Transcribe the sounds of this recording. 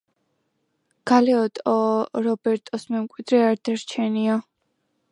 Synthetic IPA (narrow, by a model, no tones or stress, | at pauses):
ɡ̥alɛɔt̪ʼɔɾɔbɛɾt̪ʼɔsmɛmkʼwid̪ɾɛaɾd̪aɾt͡ʃʰɛnia